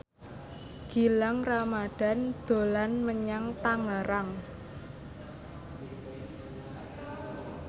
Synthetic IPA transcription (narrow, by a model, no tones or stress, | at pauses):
ɡ̥i̤laŋramaɖ̥a̤nd̪̥o̤lanməɲaŋt̪aŋaɾaŋ